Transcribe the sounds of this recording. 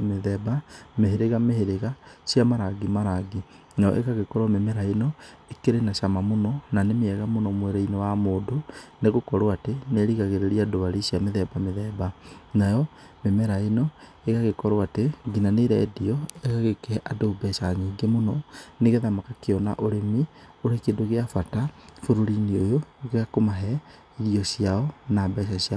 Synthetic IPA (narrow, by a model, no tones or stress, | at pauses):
meðɛbameɦeɾeɣameheɾeɣasjamaɾaɡimaɾaɡi | najɔ̰ʔḛkaɣekɔɾɔmemɛɾaenɔ | ekeɾenaʃamamonɔnanemeɛɣamonɔmwɛɾɛinewamoːdoneɣokɔɾoateneɾiɣaɣeɾeɾiadoaɾisjameðɛbameðɛːbanajɔ | memɛɾaenɔ | eɣaɣekɔɾoateɡinaneɾɛːdiɔeɣaɣekɛʔadoːbɛʃaɲiːŋɡemonɔneɣeðamakakeɔna̰ʔoɾemi | oɾekendoɣeafatafuɾoɾiniojoɣeakomaɦɛ | iɾiɔsiaɔnabɛʃaɕia